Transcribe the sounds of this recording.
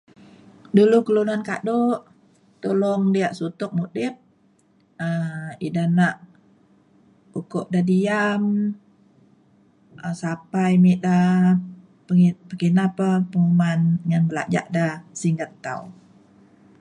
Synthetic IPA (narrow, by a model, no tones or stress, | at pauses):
dulukəlunanka̰doʔ | t̪ulɔŋdiaʔsut̪ʊk̚mudɪp̚ | əidanaʔ | bukoʔdadijam | ʔəsapajmiʔda | pəŋpəkinapəpəŋumanŋanbəla̰d͡ʒa̰ʔdahsiŋɡət̪t̪ːa̰u